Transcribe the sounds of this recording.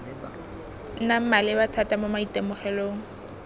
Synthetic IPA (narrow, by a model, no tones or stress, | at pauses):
n̩nam̩malɪbatʰatamomaitʼemʊχɛloːŋ̩